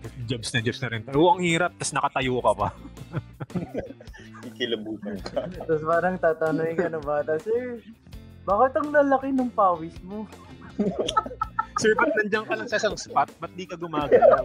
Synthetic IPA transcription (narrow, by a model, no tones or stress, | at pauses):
d͡ʒɐbsnɐd͡ʒɐbsnɐɾɪnt̪ɐʔoʔɐŋhiːɾɐp̚t̪ɐsnɐkɐt̪ɐjoːkɐpɐ | ikɪlɐbuːt̪ɐnkɐt̪ɐspaːɾɐŋt̪aːt̪ɐnoŋɪkɐnoŋbaːt̪ɐsɛɹ | baːkɪt̪ɐŋlalɐkɪnʊŋpaːwɪsmo | sɛɹpɐt̪̚nɐnd͡ʒɐŋkɐlɐŋsɐʔsaŋspat̪̚bɐt̪̚d̪iːkɐɡʊmaːɡɐ